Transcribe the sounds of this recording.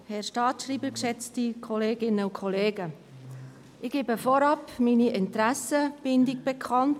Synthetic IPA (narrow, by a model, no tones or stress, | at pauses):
hɛɾʃtɑːtʃriːbəkʃɛt͡stikʰɔleːɡɪnəukʰɔleːɡə | ʔɪɡ̥eːbəfɔɾɑpminiʔɪntɾæsəb̥ɪndɪkb̥ɛkʰɑnt